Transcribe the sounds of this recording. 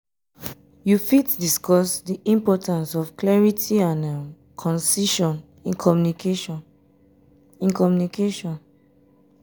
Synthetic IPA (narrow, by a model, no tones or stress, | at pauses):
jufitdiskɔsdiʔĩmpɔtãnsɔfklɛɹitʰiãnã | kʰɔ̃nsiʃɔ̃n | ĩnkʰɔmjunike | ĩnkɔmjunikeʃɔ̃n